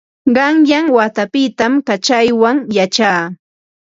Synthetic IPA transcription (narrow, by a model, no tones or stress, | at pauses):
ɢɑŋjaŋwat̪apɪt̪amkat͡ʃajwaŋjat͡ʃaː